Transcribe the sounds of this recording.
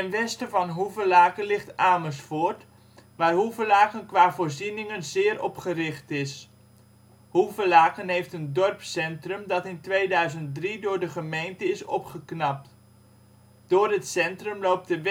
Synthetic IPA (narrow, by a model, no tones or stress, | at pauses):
tɛnʋɛstəvɑnɦuvəlaːkənlɪχtaːməsfʊːɹt | ʋaːrɦuvəlaːkənkʋaːvʊːɹzinɪŋənzɪːɾʔɔpχərɪχtɪs | huvəlaːkənɦejftəndɔrpsɛntrəmdɑtɪntʋejdœɥzənt̚dridʊːɹdəχəmejntəɪsɔ̰pχəknɑp̚t | d̥ʊːrɦətsɛntrəmlowp̚təʋ